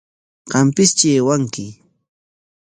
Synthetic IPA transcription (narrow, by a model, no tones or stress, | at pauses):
ɢɑmpɪst͡ʃeːwaŋkɪ